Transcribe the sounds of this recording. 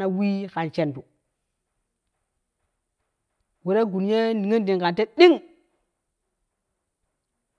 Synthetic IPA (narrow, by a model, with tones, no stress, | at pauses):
na˦wi˦ka˨nt͡ʃe˨ndu˨ | wu˨ɾa˦ɡu˨nje˦ni˨ŋi˦ndi˨ŋka˨nte˦ɗi˦ŋ